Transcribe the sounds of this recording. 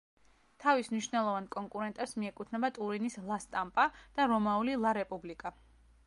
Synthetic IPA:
t̪ʰavismniʃvnɛlˠɔvankʼɔŋkʼuɾɛnt̪ʼɛpsmiɛkʼut̪ʰnɛbat̪ʼuɾinislˠast̪ʼampʼad̪̥aɾɔmaulilˠaɾɛpʼublikʼa

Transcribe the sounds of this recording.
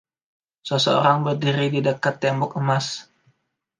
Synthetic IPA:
səsəo̰ɾaŋbərdiɾididəkat̪ːɛmbɔkəmas

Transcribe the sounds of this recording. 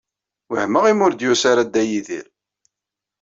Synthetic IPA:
wəhməʁimʊɾd̪jusaɾad̪ːæjiðḭl

